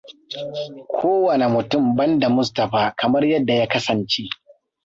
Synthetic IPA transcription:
kʷʰoː˦wɐ˨ne˨mʊ˨tʊ˦˨mbɐ˦nda˨mʊ˦stɐ˨ɸaː˦kɐ˨mɐ˦rjɐ˦dːa˨ja˦kɐ˦sɐ˨nt͡ʃeː˦ʔ

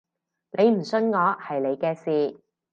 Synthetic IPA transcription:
nʔe˨˧jm̩˨˩sɵ˧nŋɔː˨˧hɐ˨jle˨˧jkɛː˧siː˨˧

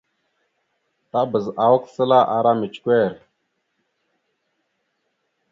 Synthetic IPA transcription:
ta˦bə˨za˨wə˦ksə˦la˦ʔa˨ɾa˦me˨t͡ʃkʷe˦˨ɾ

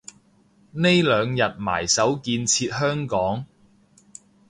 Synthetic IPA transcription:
ne˥jlœː˨˧ŋjɐ˨t̚ma̰ː˨˩jsɐ˨˥wkiː˧nt͡sʰiː˧t̚hœː˥ŋkɔː˨˥ŋ

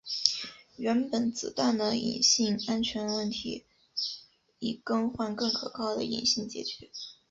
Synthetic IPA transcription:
ɥɛ˧˥npə˨˩nt͡sɹ̩˨˩t̪a˥˩nd̪ə˩ḭ˨˩nɕi˥˩ŋa˥nt͡ɕʰɥɛ˧˥nwə˥˩nt̪ʰḭ˧˥ | i˨˩kɤ˥ŋxwa˥˧nkɤ˥˩ŋkʰɤ˨˩kʰɑ˥˩ʊd̪ə˨ḭ˨˩nɕi˥˩ŋt͡ɕjɛ̰˧˩t͡ɕɛ˧˥˦

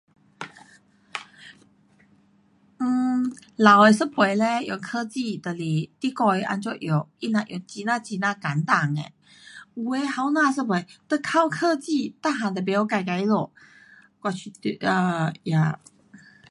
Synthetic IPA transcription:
n̩˩ | la˨˦we˨˧sə˥pʰwe˨˩le˧jo˨˩kʰə˥˧t͡ɕi˥˧t̪ə˨li˨˩t̪i˧˥kɔ˧˩jʔa̰˧nt͡ɕo˥˧˩ʔjo˨˩wi˥˩na˧ʔjo˨˩t͡ɕi˧˥nã˥˧t͡ɕi˧nã˧ka˨˦nt̪a˨˩ŋḛ˨˩ | u˧e˧˦ha˧wnã˥˧s̬ə˥pʰwe˨˩jt̪ə˧kʰa˥˧wkʰɤ˥˧t͡ɕi˥˧˨t̪a˥˩ɦã˨˩t̪ə˨˩p̬e˧˦jo˧˩˦ka˧˩jka˧˥jlo˨˩ | kwa˧t͡ɕʰy˧˩t̪ʔə˧ja˧˩

